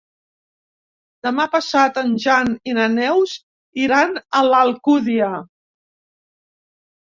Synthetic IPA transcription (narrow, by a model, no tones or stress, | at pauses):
d̪əmapəsat̪ənʒaninənɛwz | iɾanələlˠkuðiə